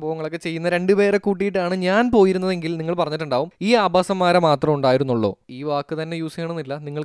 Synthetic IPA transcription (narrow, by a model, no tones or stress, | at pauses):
mboːʋɐŋɐɭokːe̞t͡ɕe̞jːunːɐɾe̞ɳɖɨpe̞ːɾekuːʈ̬ːijiʈ̬ːaːɳɨɲaːnpo̞ːjiɾunːɐðe̞ŋɡilniŋːɐɭpɐrɐɲːiʈ̬ːuɳɖaːʋumiːaːbʱaːsɐmːaːɾɐmaːt̪rɐmuɳɖaːjiɾunːuɭːo̞̰ːiːʋaːkːɨt̪ɐnːe̞juːseːɳɐnːilːɐniŋːɐɭ